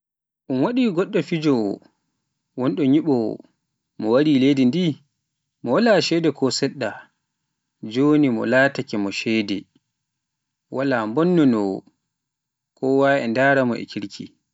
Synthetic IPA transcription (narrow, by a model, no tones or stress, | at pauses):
ʔunwaɗiːɡɔɗːɔfid͡ʒɔ̰ | wɔnɗɔɲiɓɔ̰ | mɔwaɾiledindi | mɔwalaʃɛdɛkʰɔsɛɗːa | d͡ʒoːnimɔ̰laːtakɛmɔʃɛdɛ | walambɔnːɔnɔ | kʰɔwaɛndaːɾamɔ̰ʔɛ̰kʰiɾkʰḭ